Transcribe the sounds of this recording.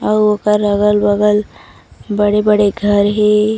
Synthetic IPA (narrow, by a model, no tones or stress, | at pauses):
ɔɾokəɾːəɡəlbəɡəl | bəɽebəɽeɡʱɐɾɦe